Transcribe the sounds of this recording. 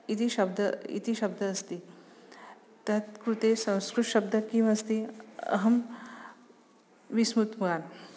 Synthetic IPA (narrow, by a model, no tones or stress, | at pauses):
it̪iʃɐb̚d̪ʱəḭt̪iʃɐb̚d̪ʱɐːst̪i | t̪ɐt̪kɾut̪esɐ̃w̃skɾuʃɐb̚d̪ʱɐkĩʋast̪iɐ̰ɦɐm | ʋismut̪muɡaːn